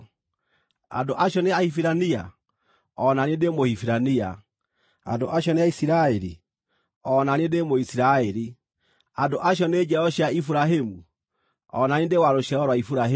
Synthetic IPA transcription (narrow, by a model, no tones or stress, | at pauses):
a̰ndoʔaɕjɔneahifiɾania̰ | ɔnaniendemohifiɾania | a̰ndoʔaɕ̬ɔneaisiɾaeɾḭ | ɔnaniendemoisiɾaeɾi | andoʔaɕ̬ɔned͡ʒɛɔɕjaifuɾaɦemu | ɔ̰nanendewaɾoɕaɾɔɾwaifuɾaɦe